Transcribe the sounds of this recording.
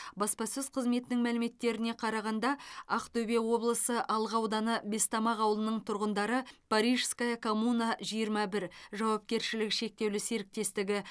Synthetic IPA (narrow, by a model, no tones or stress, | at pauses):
bɑspɑsʏzqʰəzme̞t̪ɪnɪŋmælɪme̞t̪ːe̞ɾɪne̞qʰɑɾɑʁɑnd̪ɑɑqt̪ʰɵbe̞wo̞blˠəsəʔɑlˠʁɑwd̪ɑnəbe̞st̪ɑmɑʁɑwəlˠənəɴt̪ʰʊɾʁənd̪ɑɾəpʰaɾiʒskajɑkʰo̞munaʒijəɾmɑbɪɾʒɑwɑp̚kʲe̞ɾʃɪlɪkʃe̞k̚t̪e̞wlɪse̞ɾɪk̚t̪e̞st̪ɪɡʲɪ